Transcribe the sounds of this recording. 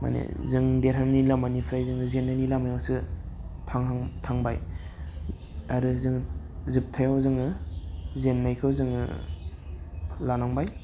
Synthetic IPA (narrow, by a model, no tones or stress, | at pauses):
ma̰nḛzɯŋdeɾʰaɾnilamanipʰɾajzɯŋɯzenːanilamajawsɯtʰaŋŋtʰaŋbaj | aɾɯzɯŋ | zɯp̚tʰajawzɯŋɯ | zenːajkʰɯwzɯŋɯ̰ | lanɔŋbaj